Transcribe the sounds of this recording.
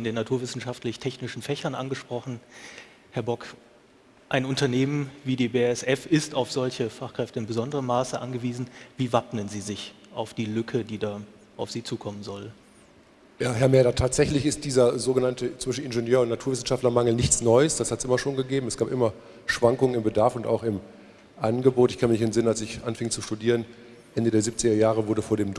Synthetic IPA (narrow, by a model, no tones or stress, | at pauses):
ɪndeːnːatʰuːɐvɪsn̩ʃaftlɪçtʰɛçnɪʃn̩fɛçɐnʔa̰nɡəʃpʁ̥ɔχn̩ | hɛɐbɔk | ʔaɪnʊntɐneːmənviːdeːbeːɛsʔɛfɪstaʊfz̥ɔlçəfaχkʁ̥ɛftəɪnbəzɔndəʁəmaːsəʔanɡəviːzn̩viːvapnənziːzɪç | ʔaʊfd̥iːlʏkʰədiːdaː | ʔaʊfz̥iːt͡suːkʰɔmənzɔl | jaːɦɛɐmɛɾatʰaːtz̥ɛçlɪçɪst̚d̥iːzɐzoːɡənantət͡sv̥vɪʃn̩ɪnʒenjøːɐʊntnatʰuːɐvɪsn̩ʃaftlɐmaŋl̩nɪçt͡snɔʏəsd̥ashatsʔɪmɐʃoːnɡəɡeːbm̩ɛsɡ̥aːpʔɪmɐ | ʃv̥aŋkʊŋənɪmbədaɐfʊnta̰ʊxɪm | ʔanɡəboːtɪçkʰanəmɪçɪnzɪnənalsɪçʔanfɪŋt͡suʃtudiːʁən | ʔɛndədeːɐzip̚t͡sɪɡɐjaːʁ̞əvʊɐdəfoːɐɾeːm